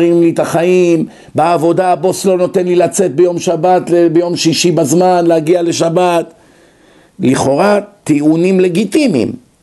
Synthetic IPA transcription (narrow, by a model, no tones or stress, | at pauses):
imlit̪aχaim | beavo̞d̪aːbo̞slo̞no̞t̪enlilat͡se̞t̪̚bejo̞mʃabat̪lebejo̞mʃiʃibazmanleaɡiale̞ʃabat̪ | liχo̞ʁat̪eunimle̞ɡit̪imḭm